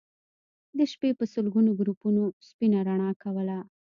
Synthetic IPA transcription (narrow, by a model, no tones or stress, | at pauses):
d̪əʃpepəsəlɡunoɡɾupunospinaɾaɳ̃ɑkawəla